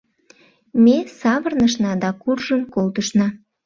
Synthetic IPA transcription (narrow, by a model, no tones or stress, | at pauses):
mesɑβərnəʃ̬nɑd̪ɑkurʒəmkolt̪əʃnɑ